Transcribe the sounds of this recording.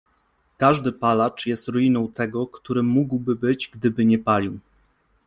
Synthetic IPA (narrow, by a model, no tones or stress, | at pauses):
kaʐd̪ɘpalat͡ʂjɛst̪ɾujinɔ̃w̃t̪ɛɡɔkt̪uɾɘmuɡwbɘbɘd͡ʑɡd̪ɘbɘɲɛpalʲiw